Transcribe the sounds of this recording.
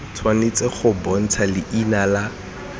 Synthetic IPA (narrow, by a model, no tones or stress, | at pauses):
tʰwanet͡sɛχʊbɔn̩t͡sʰalɪʔinala